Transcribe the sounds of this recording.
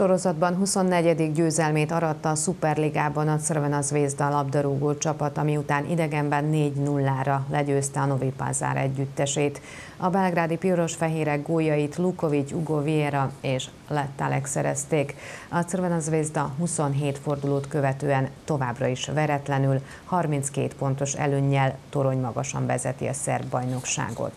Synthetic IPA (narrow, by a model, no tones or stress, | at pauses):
ʃo̞ɾo̞zɒd̪bɒnɦuso̞nːɛɟɛd̪iɡɟøːzɛlmeːt̪ɒɾɒt̪ːɒːsupɛrliɡaːbɒnɒt̪srvɛnɒzveːzd̪ɒlɒbd̪ɒɾuːɡoːt͡ʃɒpɒt̪ɒmiut̪aːnʔḭd̪ɛɡɛmbɛnːeːɟnulːaːɾɒlɛɟøːst̪ɛɒno̞vipa̰ːza̰ːɾɛ̰ɟːyt̪ːɛʃeːt̪ | ɒbɛlɡraːd̪ipiɾo̞ʃfɛɦeːɾɛɡɡoːjːɒjit̪luko̞vit͡ʃuɡo̞vieɾɒeːʃ | lɛt̪ːalɛksɛɾɛ̰st̪eːkɒt̪sɛɾbɛnɒzveːzd̪ɒɦuso̞nɦeːt̪fo̞rd̪uloːt̪køvɛt̪øːɛnt̪o̞vaːbrɒiʃvɛɾɛt̪lɛnyl | hɒrmint̪skḛːt̪po̞n̪t̪o̞ʃɛ̰løːɲːɛlt̪o̞ɾo̞ɲmɒɡɒʃɒ̰ɱvɛzɛt̪ḭɒ̰sɛ̰rbːɒjno̞kʃa̰ːɡo̞̰t̪